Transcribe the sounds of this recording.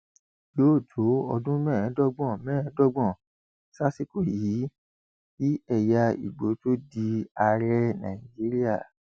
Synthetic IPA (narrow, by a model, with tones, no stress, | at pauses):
joː˦˨to˨˦ɔ˧dũ˦mɛ̃ː˦˨ɛ̃˨˦dɔ˦ɡ͡bɔ̃˦˨mɛ̃˦˨ɛ̃˨˦dɔ˦ɡ͡bɔ̃˦˨ | sa˦si˦ko˦˨ji˨˦ | ji˦ɛ˦˨ja˧i˨ɡ͡bo˨˦to˦di˧a˧ɾɛ˦nã̰˨ĩ˨d͡ʒi˨˦ɾi˦a˦˨